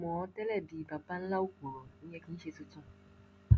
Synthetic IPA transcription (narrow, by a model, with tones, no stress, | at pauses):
mɔ̃˨ɔ˦tɛ˦lɛ˦˨bi˨ba˨ba˦n̩˦la˦u˦ku˨ɾo˨i˦ɲe˦ki˦n̩˦ʃe˦tu˦tũ˦